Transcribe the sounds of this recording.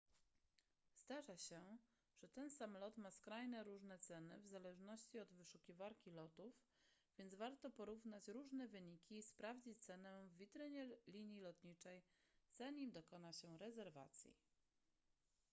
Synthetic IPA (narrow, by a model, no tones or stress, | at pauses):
zd̪aʐaɕɛ | ʐ̥ɛt̪ɛnsamlɔt̪maskɾajnɛɾuʐnɛt̪sɛnɘ̰vzalɛʐnɔɕt͡ɕiɔd̪vɘʂukʲivaɾkʲilɔt̪uf | vʲjɛnd̪zvaɾt̪ɔpɔɾuvnat͡ɕɾuʐnɛvɘɲikʲiːspɾavd͡ʑit͡ɕt̪sɛnɛvːʲit̪ɾɘɲɛlʲiɲjilɔt̪ɲit͡ʂɛjz̥aɲimd̪ɔkɔnaɕɛɾɛzɛɾva̰t̪sʲjḭ